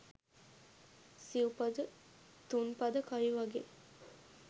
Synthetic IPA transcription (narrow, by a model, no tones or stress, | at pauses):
siupad̪ə | t̪unpad̪əkaɾiʋaɡe